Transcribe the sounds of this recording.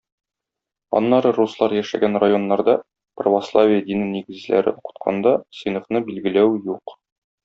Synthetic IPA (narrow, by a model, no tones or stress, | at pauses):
ɒ̰nːɑɾɤruslˠɑɾjæʃæ̰ɡænrajo̞nːɑɾd̪ɑ | prəvoslˠavʲijəd̪inniɡɘ̆zlæ̰ɾɘ̰uqɤ̥̆t̪qʰɑ̰nd̪ɑsɤ̆jnɤ̆fnɤbilɡɘ̆læwjuq